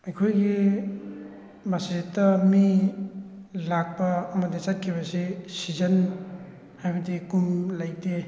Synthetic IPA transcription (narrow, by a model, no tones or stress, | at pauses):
ɐjkʰojɡi | masetːɐmi | lak̚pɐːmɐdit͡ʃat̚kʰiβɐsisizɐn | hajbɐdikumlajte